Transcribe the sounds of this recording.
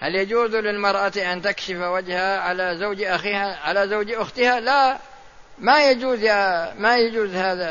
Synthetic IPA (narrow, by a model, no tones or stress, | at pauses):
haljad͡ʒuːzlɪlmɑɾˤʔat̪iʔant̪akʃɪfwad͡ʒhaʕalazawd͡ʒʔaxihaʕalazawd͡ʒʔʊxt̪ɪhala | majad͡ʒuːzjamajad͡ʒuːzhaːða